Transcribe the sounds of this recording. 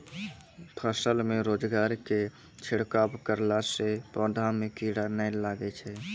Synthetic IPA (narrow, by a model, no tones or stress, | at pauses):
t̪ʰəsəlmeɾod͡ʒɡaɾke | t͡ʃʰiɽkabkəɾlasepəd̪ʱamekiɽanəlaɡɛt͡ʃʰɛ